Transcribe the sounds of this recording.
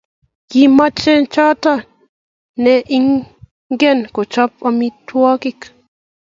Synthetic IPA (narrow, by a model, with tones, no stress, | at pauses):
ɡima˦t͡ʃɛ˦nt͡ʃa˦ta˦ | nɛ˦ʔi˦ŋ | ŋɡɛ˦nko˨t͡ʃɔ˦p̚a˦mi˦twɔ˦kɪ˦k